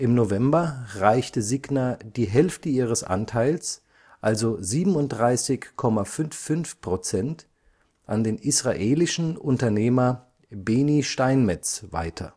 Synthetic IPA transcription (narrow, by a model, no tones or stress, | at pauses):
ʔɪmnovɛmbɐʁaɪçtəziɡnadiːɦɛlftəiːʁ̞əsʔa̰ntʰaɪls | ʔalzoziːbm̩ʊnt̚d̥ʁaɪsɪçkʰːɔmafʏnfʏnfpʁ̥ot͡sɛnt | ʔandeːnisʁ̥aʔeːlɪʃn̩ʊntɐneːmɐ | beːniʃtaɪnmɛt͡sva̰ɪtʰɐ̰